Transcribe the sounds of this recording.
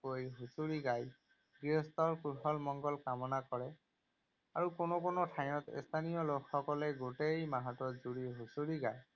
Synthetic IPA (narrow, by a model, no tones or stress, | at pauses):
ojɦusuɹiɡaj | ɡiɦɔst̪ɔɹkuɹxɔlmɔŋɡɔlkamɔnakɔɹɛ | aɹukonokonɔtʰaj̃ɔtḛst̪ʰanijɔlokxɔkɔlɛɡotejmaɦɔtɔzuɹiɦusuɹiɡaj